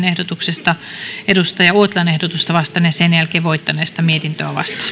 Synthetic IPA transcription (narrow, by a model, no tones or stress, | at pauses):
nehdot̪uksest̪ɑedust̪ɑjɑuot̪lɑnehdot̪ust̪ɑʋɑst̪ɑnjɑsenjælkeːʋoit̪ːɑneːst̪ɑmiet̪int̪øæʋɑ̰st̪ɑ̥